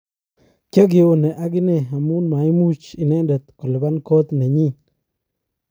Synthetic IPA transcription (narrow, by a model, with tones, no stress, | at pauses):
ka˦ɡ̬ɪ˨wo˦˨ne˨ʔa˦ɡɪ˦ne˦˨a˨mu˦nma˨i˦mu˦t͡ʃɪ˨nɛ˦nda˨t̪kɔ˨lɪ˨ba˦nkɔ˦t̪ne˨ɲi˦˨